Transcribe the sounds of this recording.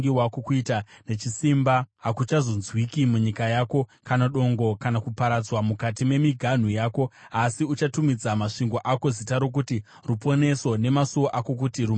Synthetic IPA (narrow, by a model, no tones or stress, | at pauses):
ɡiwakokuitane̞t͡ʃisimbaɦakut͡ʃazo̞nzwikimuɲikajaːko̞kanaɗo̞ŋɡo̞kanakupaɾad͡zwamukatime̞miɡʱan̤ujaːko̞asiut͡ʃatumid͡zamaʂiŋɡo̞ʔako̞zitaɾo̞k̬uti | rupo̞ne̞so̞ne̞masuwoʔako̞k̬utiru